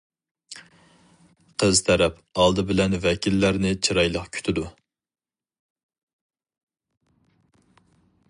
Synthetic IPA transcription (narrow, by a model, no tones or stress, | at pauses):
qʰəzt̪ʰɛɾɛp | ɑlˠd̪ɨbɪlɛnvɛkʲʰilːæɾnɪt͡ʃʰiɾɑjlˠəqkʲʰy̥t̪ʰɪd̪u